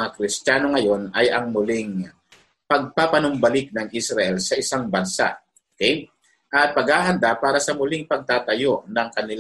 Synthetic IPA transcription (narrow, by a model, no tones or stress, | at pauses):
ŋakɾɪst̪jaːnoŋɐjo̞nɐjʔɐŋmʊlɪŋ | pɐɡ̚papɐnʊmbɐlɪk̚nɐŋʔɪsɾɐʔɛlsɐʔɪsaŋbɐnsa̰ʔ | okɛj | ʔɐt̪̚pɐɡhaːɦɐnd̪apaːɾɐsɐmʊlɪŋpɐɡ̚t̪aːt̪ɐjo̞ʔnɐŋkɐnɪl